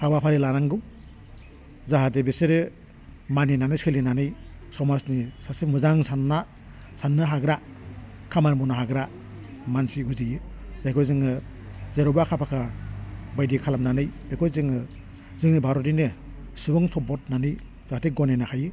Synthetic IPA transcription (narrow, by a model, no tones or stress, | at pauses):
kʰabapʰaɾilaɾaŋɡɯw | zaɦatebeseɾɯ | maninanɯjsɯlinanɯjsɔmasnisasimuzaŋsanːa | sanːɯɦaɡɾa | kʰamaɾmunaɦaɡɾa | mansiuzijɯz̥ajkʰɔjzɯŋɯ | zeɾɔbakʰapʰakʰa | bajdikʰalamnanɯjbekʰɔjzɯŋɯ | zɯŋnibʱaɾɔdinɯ | subɯŋsɔbɔt̚nanɯj | zahateɡɔnenakʰajɯ